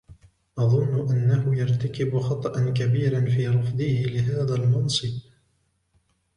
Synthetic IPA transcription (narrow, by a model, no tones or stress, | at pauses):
ʔɑðˤʊnːʊʔanːahʊjɑɾˤt̪akɪbxɑt̪ˤɑʔankabiːɾanfiːɾˤɑfðˤɪhɪlɪɦaːðalmɑnsˤɨb